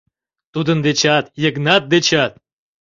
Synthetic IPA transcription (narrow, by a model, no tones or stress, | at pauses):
t̪ud̪ənd̪et͡ɕɑt̪jəɡnɑt̪̚d̪et͡ɕɑt̪̚